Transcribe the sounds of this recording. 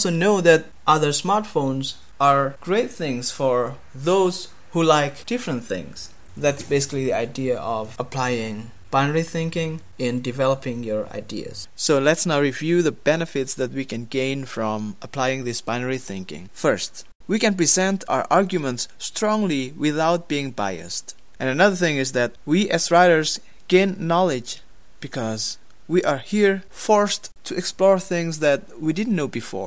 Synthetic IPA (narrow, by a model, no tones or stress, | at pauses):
ɔlˠsonoʊðæt̚ | ʔʌðə˞smaɹtfõʊ̃nz | ʔaɹɡ̥ɹeɪt̪̚θɪ̃ŋz̥fɔɹ | ðoʊz̥ | hulaɪkd̥ɪfɹə̃nt̪θɪ̰̃ŋz̥ | ðætsb̥esɪ̥kliðiaɪdiəʔɔvəpʰl̥aɪɪ̃ŋ | b̥ãɪnəɹiθɪ̃ŋkɪ̃ŋ | ɪ̃ndɨvɛləpɪ̃ŋjɔɹa̰ɪdḭə̰z̥soʊlɛtsnaʊɹivjʉðəbɛnɨfɪtsðæt̚wikʰɨ̃nɡẽɪ̃nfɹɔ̃məpʰl̥aɪɪ̃ŋðɪsb̥aɪ̃nəɹiθɪ̰̃ŋkɪ̰̃ŋfɜ˞st | wikɨ̃npɹ̥izɛ̃ntʰa̰ʊə̰˞ʔɑɹɡjumə̃ntstɹ̥ɔ̃ŋliwɪθaʊt̚b̥iɪ̃ŋba̰ɪɨ̰st | ʔɨ̃nɨnʌðə˞θɪ̃ŋɨzðɨt̚wiʔɨzɹaɪɾə˞z | ɡ̥ẽɪ̃nːɑlˠɪd͡ʒ | b̥ɨkʰʌz | wiʔə˞hiɹ | fɔɹstʰɨɛksplɔɹθɪ̃ŋzðɨt̚widɪdⁿn̩noʊbɨfɔ̰ɹ